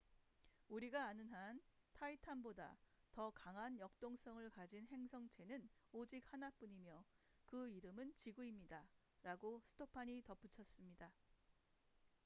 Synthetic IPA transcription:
uɾiɡaːnɯnɦantʰaitʰanboda̰tʌkaŋɦanjʌk̚t͈oŋs͈ʌŋɯɭkad͡ʑinɦe̞ŋsʰʌŋt͡ɕʰe̞nɯnod͡ʑik̚hanap͈uɲimjʌ | kɯiɾɯmɯnt͡ɕiɡuimɲida | ɾaɡosʰɯ̥tʰopʰaɲitʌp͈ʰut͡ɕʰʌs͈ɯmɲida

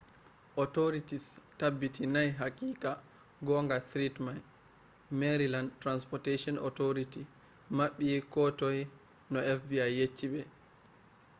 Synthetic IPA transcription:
ʔɔtɔɾitistabːitʰinajɦakiːka | ɡɔŋɡatɾitman | meɾilandtːɾanspɔteʃɔnɔ̰tɔɾiti | maɓːikɔtɔj | nɔɛfbiajːet͡ʃːibɛ

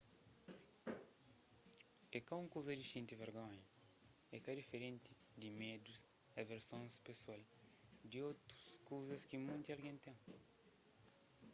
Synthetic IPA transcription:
ekaũŋkowzɐd̪iʃĩnt̪iveɾɡõɲɐ | ḛkad̪ifeɾẽnt̪i | d̪imed̪us | ɐveɾsõŋspeswal | d̪iowt̪ɾuskowzɐskimũnt̪ialɡẽnt̪ẽŋ

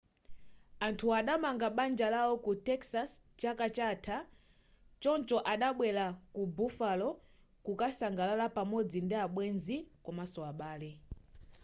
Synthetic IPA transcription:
antʰuaɗamaŋɡaɓand͡ʒalawɔkutɛksas | t͡ʃakat͡ʃatʰa | t͡ʃɔnt͡ʃɔʔaɗaɓwɛlakubufalɔ | kukasaŋɡalalapamɔd͡zindiaɓwɛnzikɔmasɔaɓaːlɛ

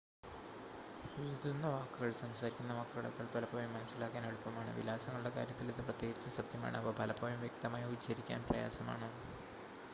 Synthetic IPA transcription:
iɾðunːɐʋaːkːuɣɐɭsɐmsaːɾikʲːunːɐʋaːkːuɣɐɭɐ̰kːɐɭpɐlɐpːoːjumːɐnɐsːilaːkːaːneɽupːɐmaːɳɨ̰ʋḭlaːsɐŋːɐɭuɽe̞ka̰ːɾjɐt̪ːiliðːɨprɐt̪je̞ːɡit͡ɕːɐsɐt̪jɐma̰ːɳɨɐpːoːpɐlɐpːoːjumjek̚t̪ɐmaːjɐut͡ɕːɐɾikʲːa̰ːnprɐja̰ːsɐma̰ːɳɨ

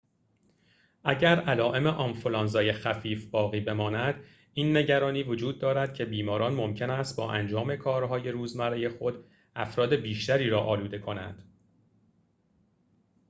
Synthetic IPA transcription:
ʔæɟæɾælɒːʔe̞me̞ʔɒmfolɒːnzɒːje̞xæfiːfbɒːɣiːbe̞mɒːnæd̪ | iːnːe̞ɟæɾɒːniːvo̞d͡ʒuːd̪̚ːɒːɾæd̪̥cʰe̞biːmɒːɾɒːnmo̞mcʰe̞næst̪̚bɒːʔænd͡ʒɒːme̞kʰɒːɾɦɒːje̞ɾuːzmæɾeje̞xo̞d̪ | ʔæfɾɒːd̪e̞biːʃt̪æɾiːɾɒːʔɒːluːd̪e̞kʰo̞næ̰nd̪̥

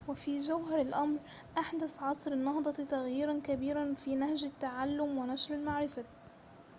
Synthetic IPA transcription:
wɪfiːd͡ʒawɦɑɾɪlʔamɾ | ʔaħd̪aθʕɑːsˤɨɾɪnːɑɦd̪ˤɑt̪aɣjiːɾankabiːɾanfiːnahʒat̪ːaʕalːʊmwɪnaʃɾɪlmaʕɾɪfa

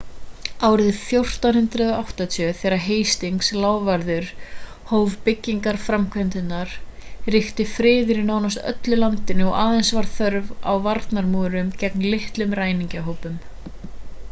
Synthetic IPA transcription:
aːwɾɪðθjowr̥t̪anhʏnt̪ɾʏðaawht̪at̪ʰœθɛːɾaɦeːjst̪iŋkslaːwvaɾðʏɾ̥ | hoːwvpɪcːiŋkaɾ̥fɾamkʰvœnt̪ɪnːaɾ̥rɪxt̪ɪfɾɪːðɪɾinaːwnast̪œ̰t̪lʏlant̪ɪnɪɔʔaːðensvaɾ̥θœɾva̰wvaɾt̪naɾmuːɾʏmcɛk̚nlɪht̪lʏmɾaːjniŋcaɦowpʏm

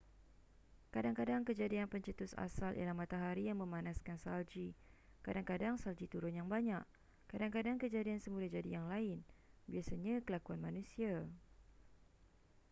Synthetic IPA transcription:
kadaŋkadaŋkəd͡ʒadianpəɲt͡ʃət̪ʊsa̰salʔḭlahmãt̪aɦaɾijaŋmə̃mãnaskansald͡ʒi | kadaŋkadaŋsald͡ʒit̪uɾʊnjaŋbaɲaʔ | kadaŋkadaŋkəd͡ʒadiansəmulad͡ʒadijaŋlaɪnbiasaɲãkəlakuanmanũsia

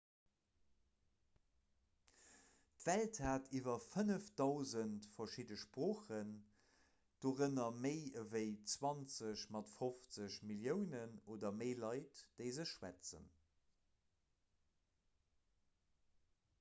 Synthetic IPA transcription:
tvælthaːtʰivɐfənəfd̥ɑʊzəntfɐʃidəʃpʁoːχən | d̥oːʁənɐməɪəvəɪt͡swɑnt͡səɕmɑtfoft͡səɕmiljəʊnənoːdɐməɪlɑɪtd̥əɪzəɕʃwæ̰t͡sə̰n

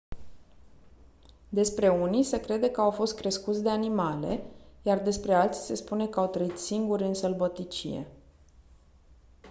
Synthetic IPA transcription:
d̪e̞spɾe̞unise̞kɾe̞d̪ekəawfo̞st̪̚kɾe̞skut̪sʲd̪e̞animale̞̰jard̪e̞spɾe̞alt̪sʲse̞spune̞kəawt̪ɾəit̪siŋɡuɾʲɨnsəlbot̪it͡ʃḭḛ

